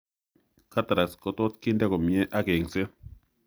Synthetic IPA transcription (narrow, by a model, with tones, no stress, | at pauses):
ka˦t̪a˨ɾa˨sko˧t̪o˦tki˦nda˦ko˨mje˦ʔa˦ke˨ŋse˦